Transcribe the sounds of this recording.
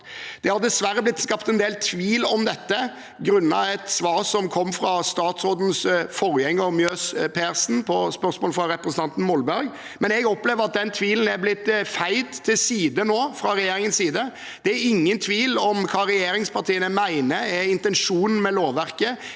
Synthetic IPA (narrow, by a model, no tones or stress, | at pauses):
d̪̥ɛhɑɾd̪ɛsʋæɾːəblɪt̪ːskɑpt̪ɛnd̪eːlt̪ʰʋiːlɔmd̪ɛt̪ːə | ɡɾʉnːɑɛt̪sʋɑːʁsɔmkʰɔmːfɾɑst̪ɑːt̪sɾoːd̪n̩sfɔɾjɛŋːəmjøːspʰeːɾsn̩pʰɔspœɾsmoːləfɾɑɾɛpɾəsən̩t̪ʰɑnt̪n̩mɔlbæɾɡ | mɛnɛɡɔpleːʋəɾɑt̪̚d̪ɛnt̪ʰʋiːln̩æɾblɪt̪ːfæɪd̪t̪ʰːɪlsiːd̪ənoːfɾɑɾɛjeːɾɪŋənsiːd̪ə | d̪̥ɛæɾɪŋːənt̪ʰʋiːlɔmkʰɑːɾɛjeːɾɪŋspʰɑʁt̪ʰiːənəmæɪnəɛɪnt̪ɛnʂuːnn̩mɛloːʋæɾkə